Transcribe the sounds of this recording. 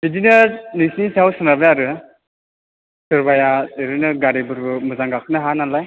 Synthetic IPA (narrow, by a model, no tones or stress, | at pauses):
bidinɯɾnisnisʰawsɯnabɯaɾɯ | sɯɾbajaɯɾɯnɯɡaɾibɯɾbɯmɯzaŋɡakʰɯnɯɦananlaj